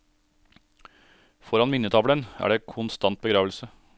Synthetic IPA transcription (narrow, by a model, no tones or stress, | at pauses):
fɔɾɑnmɪnət̪ʰɑːʋlənæ̰ːɖeːkʰʊnst̪ɑnt̪̚bəɡɾɑːʋəlsə